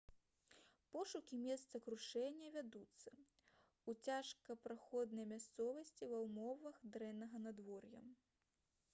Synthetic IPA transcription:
pɔʂukʲimʲɛst̪sɐkɾuʂɛnʲːɐvʲad̪ut̪sːɐ | ut͡sʲaʂkɐpɾaxɔd̪nɐjmʲast̪sɔvɐsʲt͡sʲivɐwmɔvɐxd̪ɾɛnːɐɣɐnad̪vɔrjɐ̰

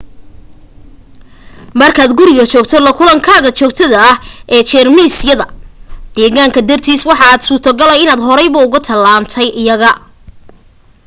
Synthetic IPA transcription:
mɐrkʰaːd̪ɡʊɾɪɣɔt͡ʃɔːɡ̚t̪ʰɔlɐkʰʊlɐŋkʰaːɣɐt͡ʃɔːɡ̚t̪ʰɐðɐhʔɛːt͡ʃɛːrmiːsjɐðɐd̪̥ɛːɣaːŋkʰɐd̪ɐrt̪ʰiːswɑħɑaːd̪suːt̪ʰɔɡɐlɛjɪnaːd̪ɦɔɾɛjβɐʊɣʊt̪ʰɐlːaːmt̪ʰɛjʔɪjɐɣɐ

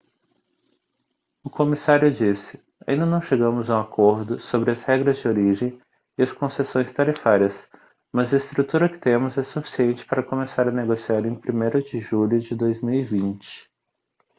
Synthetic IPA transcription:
ʊkomisaɾjʊd͡ʒisɪ̥ | aʔĩnd̪ɐnɐ̃w̃ʃeɡɐ̃mʊzɐw̃akʰoɾd̪ʊsobɾɪɐshɛɡɾɐzd͡ʒɪoɾiʒẽj̃ | ɪɐskõsesõj̃st̪aɾifaɾiɐs | mɐzɐɪst̪ɾut̪uɾɐkɪ̥t̪ẽmʊzɛsufi̥siẽnt͡ʃɪ̥paɾɐkõmesaɾɐneɡosiaɾẽj̃pɾimejɾʊd͡ʒɪʒuʎʊd͡ʒɪd̪ojzmiwivĩnt͡ʃɪ̥

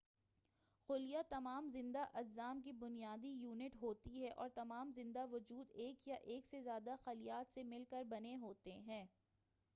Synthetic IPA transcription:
xʊlijat̪ɐmaːmzɪ̃nd̪aʔɐlzaːmk̬ibʊnijaːd̪ijuːnɪʈɦoːt̪iɦɛʔɔ̰ːɾt̪ɐmaːmzɪ̃nd̪aʋʊd͡ʒuːd̪eːkjaʔeːksezjaːd̪axɐlijaːt̪semɪlkəɾbɐneɦoːt̪eɦɛ̃ː

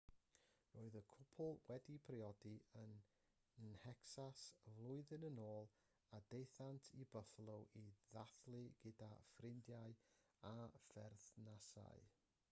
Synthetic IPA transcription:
roːɨðəkʰʊpʰʊlˠwɛdipʰriɔdiən | nɛksasvlˠʊɨðɨnənoːlˠ | adejθantʰibəflˠʊwʔiðaθlˠɨɡ̥ɪdafrɪndjaɨ | afɛrθnasa̰ɨ

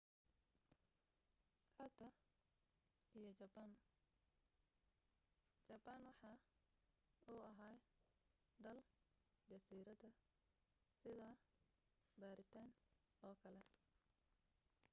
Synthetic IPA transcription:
kʰɐt̪ʰɐ | ijɞt͡ʃɐban | t͡ʃɐbanwɑħɑː | uːɐɦaːj | d̪ɐl | d͡ʒɐsiːɾɐðɐ | sɪðaː | baːɾɪt̪ʰaːnɔːkʰɐlɛ

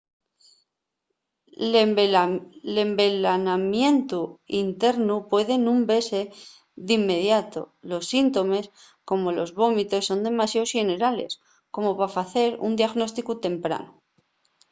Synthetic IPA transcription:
le̞mbelanamje̞nt̪uint̪e̞ɾnupwe̞ðe̞nũmbe̞se̞ | ðimːe̞ðjat̪o̞̰lo̞sːint̪o̞me̞s | ko̞mo̞lo̞zβo̞mit̪e̞sːo̞nd̪e̞masjaosxene̞ɾale̞̰s | ko̞mo̞pafaθe̞ɾṵnd̪jaɣno̞st̪ikut̪e̞mpɾa̰nu

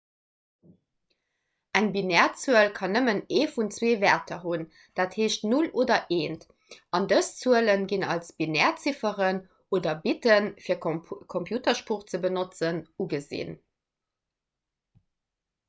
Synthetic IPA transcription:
æŋbinɛːɐt͡suəlkʰɑnəməneːfunt͡sweːvɛtʰɐɦun | d̥aːtheːʃtnuloːdɐʔeːnt | ɑndəst͡suələnɡinɑ̰lsb̥inɛːɐt͡sifəʁən | oːdɐbitənfiːɐkʰompʰjuːtɐʃpuχt͡səbənot͡sənuɡəzḭn

